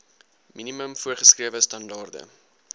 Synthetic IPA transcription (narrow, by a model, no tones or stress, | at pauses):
miniməmfuərχəskriəvəstɐndɑːrdə̰